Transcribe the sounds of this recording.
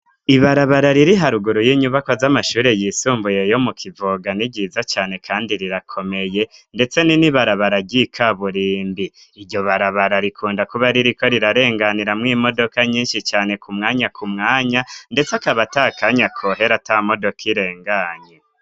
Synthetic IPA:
iβaɾaβaɾaɾiɾiɦaɾuɡuɾujiɲuβakwazamaʃuːɾe̞jisuːmbuje̞jo̞mukʰivoɡaniɡɟizat͡ʃaːne̞kʰaːndiɾiɾakʰo̞me̞je̞nde̞t͡se̞niniβaɾaβaɾaɟikʰaβuɾiːmbiː | ɾɟo̞βaɾaβaɾaɾikʰuːndakuβaɾiɾiko̞ɾiɾaɾe̞ːŋɡaniɾamŋiːmo̞do̞kaɲiːnʃit͡ʃaːne̞kʰumŋaːɲakʰumŋaːɲande̞t͡sakaβatakaɲakʰoɦe̞ɾatamo̞do̞kʰiɾe̞ːŋɡaɲe

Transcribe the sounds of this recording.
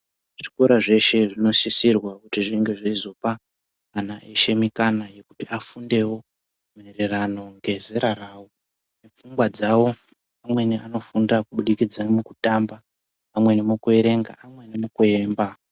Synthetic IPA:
ʐi̥koɾaʐe̞ʃe̞ʐino̞sisirwakutiʐiŋɡe̞ʐaizo̞paː | naʔeʃe̞mikanaje̞kutiafunde̞wo̞ | me̞rerano̞ŋɡe̞zeɾaraːwo | ne̞p͡fuŋɡwad͡zawo̞ | amwe̞niano̞fundakuɓuɗikid͡zamukutambaː | mwe̞nemukue̞ɾe̞ŋɡa̰ʔamwe̞nemukueːmba

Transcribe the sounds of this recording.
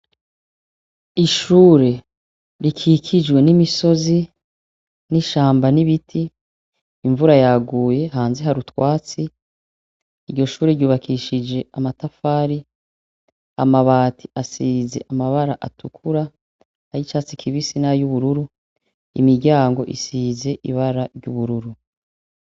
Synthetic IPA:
iʃuːɾe̞ | ɾikʰiːkʰid͡ʒɡwe̞nimiso̞zi | niʃaːmbaniβitʰiː | ɱvuɾajaɡuːje̞ɦaːnzeɦaɾutwaːt͡si | ɾɟo̞ʃuːɾeɾɟuːβakʰiʃid͡ʒe̞amatafaːɾi | a̰maβaːtʰi̥ʔasiːze̞̰ʔamaβaɾaʔatʰukʰuɾa | hajit͡ʃaːt͡sikʰiβisinajuβuɾuɾu | ḭmiɾɟaːŋɡo̞̰ʔḭsiːze̞ʔiβaɾaɾɟuβuɾuɾu

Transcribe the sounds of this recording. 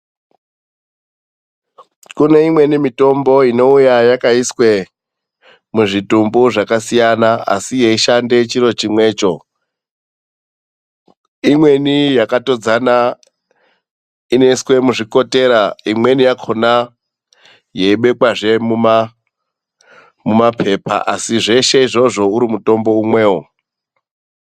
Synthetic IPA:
kune̞imwe̞nimito̞mbo̞ino̞ujajakaiswe | muʐitumbuʐakasijanaa̰sije̞iʃande̞t͡ʃiɾo̞t͡ʃimwe̞ːt͡ʃo̞ | imwe̞nijakato̞d͡zana | ine̞swe̞muʐiko̞te̞ːɾaimwe̞nijakʰo̞na | jeiɓe̞kwaʐe̞mum | mumapʰe̞pa̰ʔasiʐe̞ʃe̞iʐo̞ʐo̞uɾimuto̞mbo̞umwe̞ːwo

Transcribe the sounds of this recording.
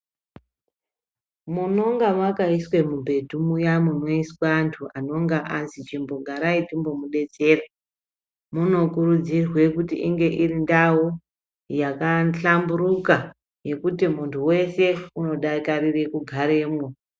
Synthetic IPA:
muno̞ŋɡamwakaiswe̞mubʱe̞dʱumujamuno̞iswantʰuʔano̞ŋɡaʔanzit͡ʃimbo̞ɡʱaɾaitimbo̞muɗe̞d͡ze̞ːra | muno̞kuɾud͡zirwe̞kutḭʔiŋɡe̞ʔirindawo | jakaɬambuɾuka | je̞kutimuntʰuwe̞se̞uno̞ɗakarire̞kuɡʱaɾeːmwo

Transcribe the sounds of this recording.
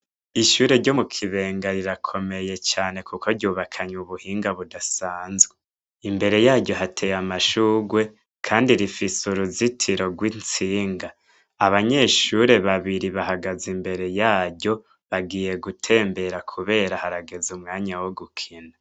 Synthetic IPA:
iʃuːɾe̞ɾɟo̞mukʰiβe̞ːŋɡaɾiɾakʰo̞me̞je̞t͡ʃaːne̞kukʰo̞ɾɟuːβakʰaɲuβuhiːŋɡaβudasaːnzɡe | imbe̞ɾe̞jaːɾɟo̞ɦatʰe̞jamaʃuːɡwe̞ | kʰaːndiɾifisuɾuzitʰiɾo̞ɡwint͡siːŋɡaː | βaɲe̞ʃuɾe̞βaβiɾiβahaɡazimbe̞ɾe̞jaːɟo̞ | βaɡiːje̞ɡutʰe̞ːmbe̞ɾakʰuβe̞ːɾahaɾaɡe̞zumŋaːɲawoɡukʰina

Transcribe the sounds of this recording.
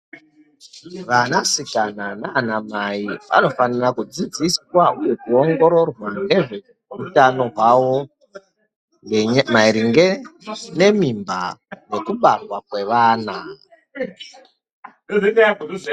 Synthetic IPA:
ʋanasikananaːnamaiʋa̰no̞fanirakud͡zid͡ziswauje̞kuo̞ŋɡo̞ɾo̞rwaŋɡe̞ʐe | utano̞ɦwawo̞ | maiɾiŋɡene̞mimba̰je̞kuɓarwakwe̞ʋaːna

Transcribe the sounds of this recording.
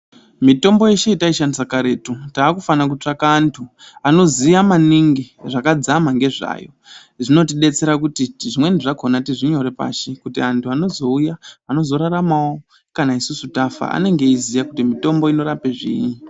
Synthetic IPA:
mito̞mbo̞je̞ʃe̞itaiʃandisakaɾe̞tutaːkufanak̬ut͡ʂakaːntʰu | ano̞zijamaniŋɡiʐakad͡zamaŋɡe̞ʐa̰ːjo̞̰ | ʐino̞tiɗe̞t͡se̞ɾakutiʐimwe̞ndiʐakonatiʐiɲo̞ɾe̞pa̰ːʃekutiantʰuano̞zo̞ujaano̞zo̞ɾaɾamawo | kanaisusutafa̰a̰ne̞ŋɡe̞izijakutimito̞mbo̞ino̞ɾape̞ʐḭːɲi

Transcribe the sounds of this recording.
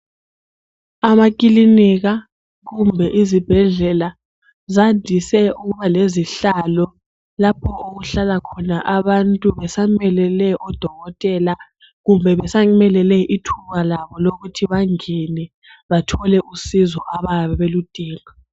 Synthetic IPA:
amakʼiliniɣa | ɣumbʱɛʔizib̥ʱɛɮɛla | zandʱisɛuɣuβaleziɬalɔ | lapʰɔoɣuɬalakʰɔnaʔaβantʼuβɛsaŋmɛlɛlɛʔɔd̥ʱɔɣɔtʼɛla | ɣumbʱɛβɛsaŋmɛlɛlɛʔitʰuβalaβɔloɣutʰiβaŋɛnɛ | βatʰɔlɛʔusizɔʔaβaβɛβelud̥ʱʼiːŋa

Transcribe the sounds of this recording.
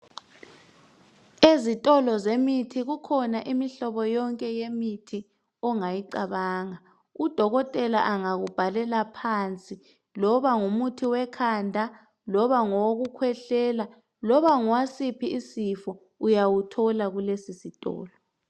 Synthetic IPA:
ezitʼɔlɔzemitʰiɣukʰɔnaʔimiɬɔβɔjɔŋkʼɛjemitʰi | ɔŋajiǀaβaːŋa | ud̥ʱɔɣɔtʼɛla̰ʔaŋaɣub̥ʱalɛlapʰant͡sʼi | lɔβaŋumutʰiwɛkʰandʱa | lɔβaŋoɣukʰwɛɬɛːla | lɔβaŋuwasipʰiisifɔ | ujawutʰɔlaɣulesisitʼɔ̰ːlɔ

